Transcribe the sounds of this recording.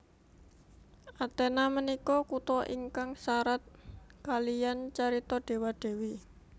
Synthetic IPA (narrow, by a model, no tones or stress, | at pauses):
ʔat̪ɛnamənikɔkut̪ɔʔḭŋkaŋsaɾat̪̚kalijant͡ʃaɾit̪ɔɖ̥e̤waɖ̥e̤wi